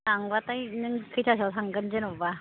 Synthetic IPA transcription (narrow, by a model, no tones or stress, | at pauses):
aŋɡwat͈ajnɯnkʰɯt͡ɕʰasʰɔsʰaŋɡɯnd͡ʑɯnɔba